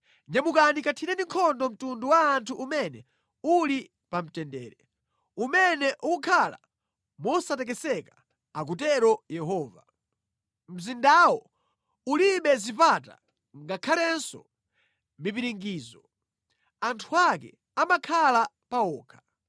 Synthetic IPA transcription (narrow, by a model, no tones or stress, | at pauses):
ɲamukanikatʰinɛndiŋkʰɔndɔm̩tunduwaːntʰuʔumɛnɛ | uli | pam̩tɛndɛ̰ːɾɛ | umɛnɛʔukukʰala̰ | mɔsatɛk̬ɛsɛka | ak̬utɛɾɔjɛɦɔːva | m̩zindaːwɔ | uliɓɛzipata̰ | ŋɡakʰalɛnsɔ̰ | mipiɾiŋɡiːzɔ | antʰuakɛ̰ | amakʰala | paɔːkʰḁ